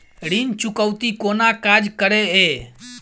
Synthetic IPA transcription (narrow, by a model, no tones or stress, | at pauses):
ɽiːnt͡ʃʊkəwt̪ikoːnaːkaːd͡ʒkəɾeeː